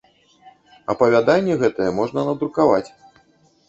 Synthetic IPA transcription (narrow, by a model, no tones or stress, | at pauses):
ɐ̰pɐvʲad̪anʲːɛɣɛt̪ɐjɛmɔʐnɐnɐd̪ɾukavat͡sʲ